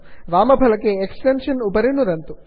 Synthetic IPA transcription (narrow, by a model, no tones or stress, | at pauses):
ʋaːmɐbʱɐlɐkːeːksʈenʂɐnupɐɾinuɾɐnt̪u